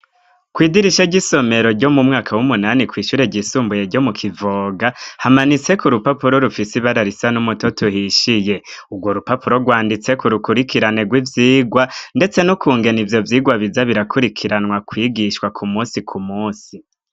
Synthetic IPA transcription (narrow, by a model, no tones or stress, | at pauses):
kwiːdiɾiʃaɟiso̞me̞ɾo̞ɾɟo̞mumŋaːkʰawumunanikwiːʃuːɾe̞ɟisuːmbuje̞ɟo̞mukʰivoːɡahamanit͡se̞kuɾupapuɾo̞ɾufisiβaɾaɾisanumutotʰuhiʃije̞uɡwo̞ɾupapuɾo̞ɡwaːndit͡se̞kuɾukuɾikiɾane̞ɡwivjiːɡwande̞t͡se̞nukʰuːŋɡe̞nivjo̞vjiːɡwaβizaβiɾakʰuɾikʰiɾanŋwakwiːɡiʃkwakʰumuːnsikʰumuːsi